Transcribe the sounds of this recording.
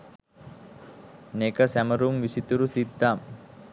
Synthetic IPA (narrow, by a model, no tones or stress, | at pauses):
nekəsæməɾumʋisit̪uɾusid̪ʱːam